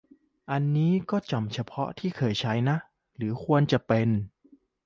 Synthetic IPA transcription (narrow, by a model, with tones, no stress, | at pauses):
ʔa˧nːiː˦˥kɔː˥˩t͡ɕa˨˩mt͡ɕʰa˧pʰɔ˦˥t̪ʰiː˥˩kʰɤː˧˩jt͡ɕʰa˦˥jna˦˥ʔ | ɾɯː˩˦kʰu˧ənt͡ɕa˨˩pe˧n